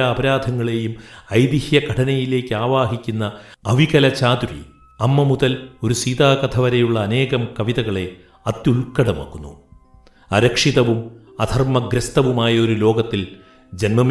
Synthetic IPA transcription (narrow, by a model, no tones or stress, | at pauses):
ɐɐbɐɾaːd̪ʱɐŋːɐɭe̞jumɐjd̪ihjɐkʰɐʈʰɐnɐjile̞ːkʲːɨaːʋaːɦikʲːunːɐɐʋiɣɐlɐt͡ɕaːd̪uɾḭ | ɐmːɐmuðɐlo̞ɾusiːðaːkɐt̪ʰɐʋɐɾɐjuɭːɐːne̞ːɣɐmkɐʋiðɐɣɐɭe̞ | ɐt̪ːjulkɐɽɐmɐ̰kːunːṵ | ɐɾɐkʂiðɐʋum | ɐd̪ʱɐrmɐɡɾɐst̪ɐʋumaːjɐo̞ɾulo̞ːɡɐt̪ːil | d͡ʑɐnmɐm